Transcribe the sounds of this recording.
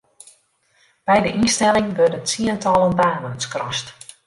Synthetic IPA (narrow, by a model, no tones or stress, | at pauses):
b̥ɛjdəʔinstɛlˠɪŋʋørdəsiəntʰɔlˠənbaːmənskrɔst